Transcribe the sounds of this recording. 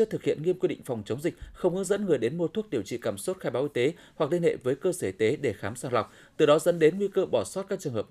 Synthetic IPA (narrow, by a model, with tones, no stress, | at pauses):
t̪ɨ˨˩k̚hḭ˧˨ənŋi˧əmki˧ɗḭ̈˧˨ŋ̟fa˨˩wŋ͡mt͡ɕə˨˦wŋ͡mzï˨˩k̚xə˧wŋ͡mhɨ̰˧˦ŋzə̰˧˥nŋɨ˨˩əjɗe˨˦nmo˧t̪ʰu˦˥ək̚ɗi˨˧˩əwt͡ɕḭ˧˨kaː˧˩mso˦˥t̚xaː˧jɓaː˨˦wʔi˧t̪e˨˦ | hwa˨˩k̚li˧ənhḛ˧˨vəː˨˦jkəː˧səː˧˩i˨˩t̪e˨˦ɗe˧˩xaː˨˦msaː˧ŋla˨˩wk͡p̚ | t̪ɨ˨˩ɗɔ˨˦zə̰˧˥nɗe˨˦nŋwi˧kəː˧ɓɔ˧˩sɔ˦˥t̚ka˦˥k̚t͡ɕɨ˨˩əŋhəː˨˩p